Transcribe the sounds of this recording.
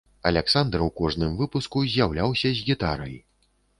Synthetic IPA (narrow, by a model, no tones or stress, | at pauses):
ɐ̰lʲɛksand̪ɾwkɔʐnɨmvɨpuskuzʲjawlʲawsʲɐzʲɣʲit̪aɾɐj